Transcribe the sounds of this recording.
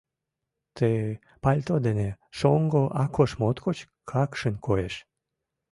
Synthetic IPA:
t̪ʰe | palʲt̪od̪eneʃoŋɡoʔakʰoʃmot̪kot͡ɕ | kʰɑkʃənkojeʃ

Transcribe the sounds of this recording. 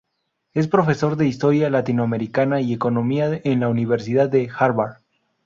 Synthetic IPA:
e̞spɾo̞fe̞so̞ɾðe̞ist̪o̞ɾjalat̪inoame̞ɾikanaie̞ko̞no̞miaenlauniβe̞ɾs̬iðaðːe̞xaɾβaɾ

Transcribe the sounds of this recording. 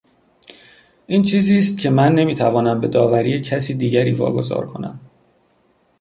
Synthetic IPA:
ʔiːnt͡ʃʰiːziːst̪̚cʰe̞mænːe̞miːt̪ʰævɒːnæmbe̞d̪ɒːvæɾiːjecʰæsiːd̪iːɟæɾiːvɒ̰ːɡo̞zɒ̰ːɾkʰo̞næ̰m

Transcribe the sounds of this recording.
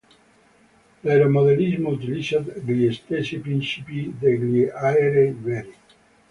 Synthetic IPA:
leɾomoðenizmout̪ilisad̪ɡliest̪esipɾinsipid̪eɡliaeɾevɛɾi

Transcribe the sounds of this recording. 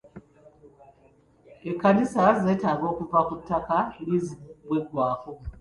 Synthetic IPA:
ekːanisazeːtaːɡo̞ːkuvakutːakanizibweɡwaːko

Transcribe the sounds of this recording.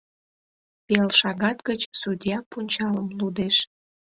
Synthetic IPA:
pelʃɑɣɑt̪ɡət͡ɕsudʲjɑpunʲt͡ɕɑləmlud̪eʃ

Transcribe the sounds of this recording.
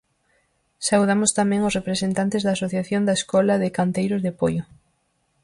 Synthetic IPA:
sauðamʊst̪amɛ̃ŋosrepɾesent̪ant̪ezðaːsoθjaθjond̪aeskɔlɐðekant̪ejɾozðepojʊ

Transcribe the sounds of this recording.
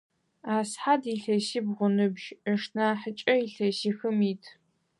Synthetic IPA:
aːsħadiɬɐsiːbʁʷʊnɨbʒəʂnaːħət͡ʃʼɐiɬɐsiːxɨmiːtʰ

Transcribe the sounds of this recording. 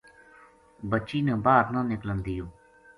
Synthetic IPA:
bət͡ʃiːnə̃baːɾnãːnɪklənd̪ijoː

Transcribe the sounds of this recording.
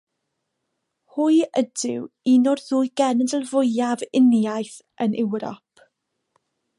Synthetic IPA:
hʊɨədɪwinɔrðuːjɡ̥ɛnəndəlˠvʊɨavɪnjajθ | ənʔɛwɾɔ̰pʰ

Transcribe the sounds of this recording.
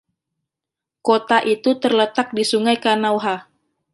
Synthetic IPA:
kot̪aʔit̪ut̪ərlət̪ak̚disuŋajkanawɦa

